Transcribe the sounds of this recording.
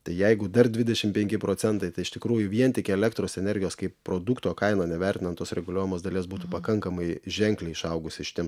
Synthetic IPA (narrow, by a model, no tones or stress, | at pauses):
t̪ɐɪjɛɪɡʊd̪ɐrd̪ʲʋʲɪd̪ʲɛʃʲɪmpʲɛŋʲkʲɪpɾoːt͡s̪ʲɛnt̪ɐɪt̪ɐɪɪʃt̪ʲɪkɾuːjʊʋʲiɛnt̪ʲɪkʲɛlʲɛkt̪ɾoːsɛnʲɛrʲɡʲɪjoːskɐɪppːɾoːd̪ukt̪oːkɐɪnoːnʲɛʋʲɛrʲt̪ʲɪnɐnt̪oːsɾʲɛɡʊlʲuɔjɛmoːsd̪ɐlʲeːsbuːt̪upɐkɐŋkɐmɐɪʒʲɛŋklʲɛɪɪʃɐʊɡʊsʲɪʃʲɪ̥t̪ʲiɛm